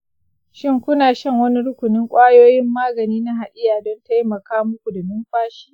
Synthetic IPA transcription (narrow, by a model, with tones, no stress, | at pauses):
ʃɪ˦ŋkʷʊ˦naː˨ʃɐ˦˨ŋwɐ˦ni˦ɽʊ˦kʷʊ˨nɪ˦ŋkʷʼaː˦joː˦jɪ˦mːaː˦ɡɐ˨niː˦na˦ɦa˨ʔɪ˦jaː˨dɔ˦nta˦jmɐ˨kaː˦mʊ˦kʷu˨dɐ˨mɪ˦mɸaː˦ʃi̥ː˦